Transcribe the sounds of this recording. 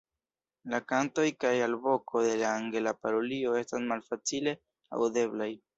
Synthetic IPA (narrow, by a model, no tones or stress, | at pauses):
lakanto̞jkajalbo̞kʰo̞de̞laːŋɡe̞lapaɾo̞lio̞e̞stasmalfat͡sile̞ | a̰wde̞blaj